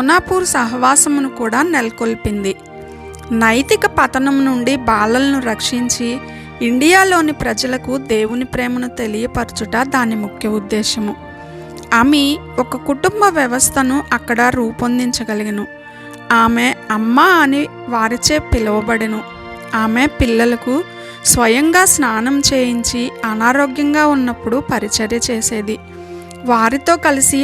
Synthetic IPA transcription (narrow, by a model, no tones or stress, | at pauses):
munaːpuːɾusɐɦɐʋaːsɐmunukuːɽaːnelɐkolpind̪i | nɐjt̪ikɐpɐt̪ɐnɐmnuɳɖibaːlɐlɐnuɾɐkʂiɲt͡ʃiː | ɳɖijaːlo̞ːnipɾɐd͡ʒɐlɐkud̪e̞ːwunipɾɛːmɐnut̪e̞lijɐpɐɾut͡ʃuʈɐd̪aːnːimukʰjɐud̪ːɛːʃɐmu | ɐmi | ɔkɐkuʈumbɐʋjɐʋɐst̪ʰɐnuʔɐkːɐɽɐɾuːpɐnd̪iɲt͡ʃɐɡɐliɡinu | aːmeɐmːaːni | ʋaːɾit͡ʃeːpilɐʋɐbɐɽɐnu | aːmepilːɐlɐku | sʋɐjɐŋɡaːsnaːnɐmt͡ʃe̞ːjiɲt͡ʃiɐnaːɾoːɡjɐŋɡaːunːɐpːuɽupɐɾit͡ʃɐɾjɐt͡ʃeːse̞ːd̪i | ʋaːɾit̪o̞ːkɐlisi